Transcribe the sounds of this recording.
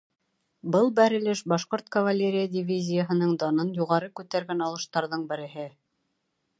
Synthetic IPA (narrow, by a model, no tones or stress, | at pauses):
bɤlˠbæɾɘ̆lɘʃbɑʃqoɾt̪kɐvɐlʲeɾʲɪjadʲɪvʲizʲɪjəɦɤ̆nɤɴd̪ɑnɤnjuʁɑɾɤkʉt̪æɾɡænɑlˠɤ̆ʃt̪ɑɾðɤɴbɘ̆ɾɘ̆ɦɘ